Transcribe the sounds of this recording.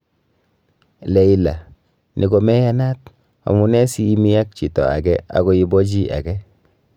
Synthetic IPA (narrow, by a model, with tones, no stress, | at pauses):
le˨i˨la̰˨ | nʔi˨ɡo˨mɛ˦ja˦na˦t | a̰˨mu˦nɛ˦siː˦mi˦ja˦k̚t͡ʃi˨tɔ̰˨a̰˨ɡɛ˦a̰˨ɡo˦i˦bɔ˦d͡ʒi˦a̰˨ɡɛ˦